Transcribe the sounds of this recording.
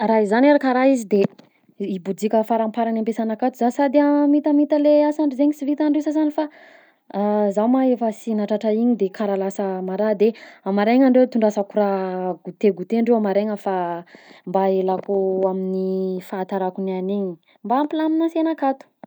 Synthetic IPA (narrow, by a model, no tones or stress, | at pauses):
raizanaɾakəɾaizid̪e | ibud͡zikʲəfaɾampaɾanampesanakat̪uzasad̪iamit̪amit̪əleasaɳɖ͡ʐizeŋisivit̪aɳɖ͡ʐewsasanifa | zawmaefəsinaʈ͡ʂaʈ͡ʂaiɲid̪ekʰaɾalasəmaɾad̪eamaɾeŋaɳɖ͡ʐewt̪uɳɖ͡ʐasakuɾaɡut̪eɡut̪eɳɖ͡ʐewamaɾeŋəfa | mbaelakuaminifat̪aɾakunianeɲi̥ | mbaːmpilaminasenakat̪u̥